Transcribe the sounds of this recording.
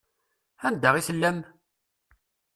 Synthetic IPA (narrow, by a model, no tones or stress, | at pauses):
ænd̪əʁisəlːæm